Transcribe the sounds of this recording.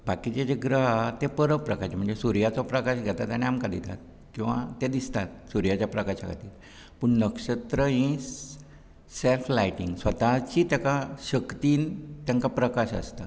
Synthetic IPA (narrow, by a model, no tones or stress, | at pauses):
bakit͡ɕet͡ɕeɡɾəɦat̪epəɾəpɾəkaɕm̤əɳd͡zesuɾjat͡sɔpɾəkaɕɡʱɛt̪at̪jañeamkad̪it̪a̰t̪̚ | kĩw̃ʋa̰t̪ɛd̪ist̪at̪̚suɾijat͡ɕjapɾəkaɕaɡʱa̰t̪iːl | pəɳnəkʂət̪ɾəĩsː | elflajʈiŋɡsʋət̪at͡ɕit̪jakaɕəkt̪iːnt̪jãŋkapɾəkaɕə̰st̪a